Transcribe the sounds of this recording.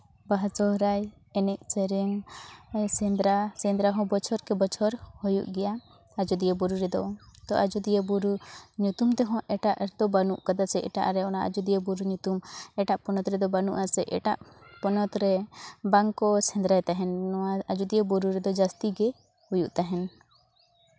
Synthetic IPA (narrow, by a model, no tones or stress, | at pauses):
baɦat͡ʃɔɦɾaj | ɛnɛk̚t͡ʃɛɾɛŋ | sɛnd̪ɾasɛ̃nd̪ɾaɦɔ̃bɔt͡ʃʰɔɾkɛbɔt͡ʃʰɔɾhɔjṵʔɡɛja | ad͡ʒud̪ijɛbɔɾuɾɛd̪ɔt̪ɔʔad͡ʒud̪ijebuɾuɲut̪umt̪ɛɦɔ̃ʔɛʈaʔɾd̪ɔbanuʔkad̪asɛʔɛ̰ʈa̰ʔɾɛɔnaʔad͡ʒud̪ijebuɾuɲut̪umɛʈaʔpɔnɔt̪ɾɛd̪ɔbanṵʔasɛʔɛ̰ʈaʔpɔnɔt̪ɾɛbaŋkɔsɛnd̪ɾajt̪aɦɛnɔaad͡ʒud̪iebɔɾuɾɛd̪ɔd͡ʒast̪iɡɛ | hujuʔt̪aɦɛn